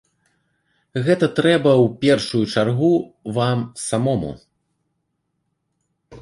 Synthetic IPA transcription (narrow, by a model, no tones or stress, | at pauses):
ɣɛt̪ɐt̪ɾɛbɐwpʲɛrʂujut͡ʂarɣuvamsamɔmṵ